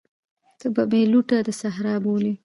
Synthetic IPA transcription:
t̪əbameluʈad̪əsaɦɾɑboli

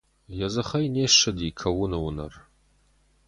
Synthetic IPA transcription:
jɐzɐχɐjneːʂɐdiːkʰɐwʊnɨwʊnɐ̰r

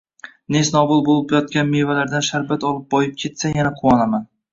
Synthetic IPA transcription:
nesnɒbʊlˠbolˠɪpjɒt̪̚kʲanmevalaɾd̪anʃaɾbat̪ɒlˠɪp̚bɒjɪp̚kʲʰe̞t̪sajanaqʰʊwɒnaman

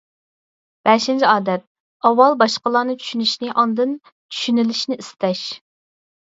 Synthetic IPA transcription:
b̥ɛʃint͡ʃʰiɑːd̪ɛt̪̚ | ɑwɑlˠbɑʃqəlˠɑːnɨt͡ʃʰy̥ʃynyʃnɪʔɑnd̪ɨn | t͡ʃʰy̥ʃynɪlɪʃnɪist̪ʰɛʃ

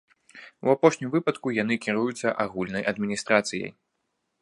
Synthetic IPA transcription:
ṵapɔʂnʲimvɨpɐt̪kujan̪ɨkʲiɾujut̪sːɐʔaɣulʲnɐjʔɐd̪mʲinʲist̪ɾat̪sɨjɐ̰j

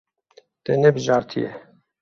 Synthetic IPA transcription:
t̪ɛnɛbɨʒɑːɾt̪ʰijɛ

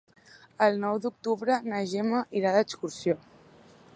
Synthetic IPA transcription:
əlˠnɔwd̪uk̚t̪uβɾənəʒeməʔiɾaðəkskuɾsio

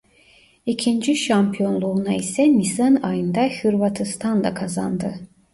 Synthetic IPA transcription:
icʰind͡ʒiʃampʰijo̞nlˠuːnaisɛnisanajɯnd̪ahɯɾvat̪ʰɯst̪ʰand̪ˠa̰kʰaza̰nd̪ɯ

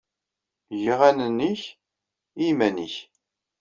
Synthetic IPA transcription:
ʝiʁænənːiç | imæniç

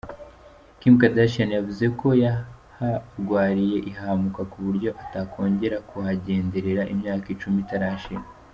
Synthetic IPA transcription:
kiːmkadaʃanjavuze̞ko̞jahaɾɡwaːɾije̞ʔiɦahamukakuβuɾɟo̞ʔatakʰo̞ːɲɟe̞ɾakʰuhaɟe̞ːnde̞ɾe̞ɾaʔimɲaːkit͡ʃumitaɾaʃen

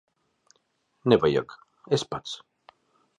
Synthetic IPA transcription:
nevaja̰k | espat͡s

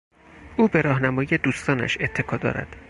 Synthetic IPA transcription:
ʔuːbe̞ɾɒːɦnæmɒːjije̞d̪uːst̪ɒːnæ̰ʃe̞t̪ʰːe̞kʰɒːd̪ɒ̰ːɾæ̰d̪̥

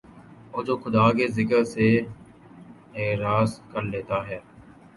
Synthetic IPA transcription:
oːd͡ʒoːkʰʊd̪aːkeːzɪkəɾseː | eːɾaːskəɾleːt̪aːɦɛː

